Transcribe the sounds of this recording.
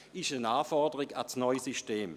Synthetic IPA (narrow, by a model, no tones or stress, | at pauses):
ɪʃənaːfɔɐdəʁiɡa̰t͡snɔʏsyʃteːm